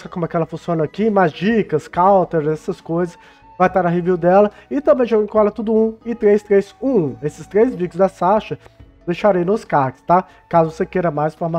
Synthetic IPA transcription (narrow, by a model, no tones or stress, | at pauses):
skɐkõmʊɛkɪɛlɐfũsiõnɐakimazd͡ʒikɐskawt̪eɾzɛsɐskojzɐs | vajt̪aɾɐɦeviwd̪ɛlɐɪt̪ɐ̃bẽj̃ʒɔɡẽkõɛlɐt̪ud̪ʊũɪt̪ɾejst̪ɾejzũesɪ̥st̪ɾejzvid͡ʒʊzd̪ɐsaʃɐ | d̪ejʃaɾejnʊskaɾkɪ̥st̪a | kazʊvosekejɾɐmajsfoɾma